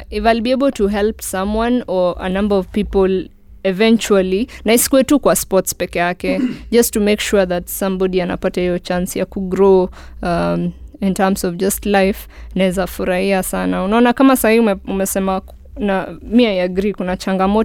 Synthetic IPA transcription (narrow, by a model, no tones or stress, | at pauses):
ivalbiebl̩tuɦɛlpsãmwãnɔə̰nãmbəɔv̥pipɔl | ɛvɛ̃nt͡ʃualinaisi̥kuɛtukwaspɔtspɛkɛjakɛd͡ʒɐstumekʃuɹðatsãmbɔdiana̰patahijɔt͡ʃansjakuɡɾo | amĩntamsɔvd͡ʒastlajfnaɛzafuɾahiasanaunaɔnakamasahiiumɛsɛma | namiajaɡɾikunat͡ʃãŋɡamɔ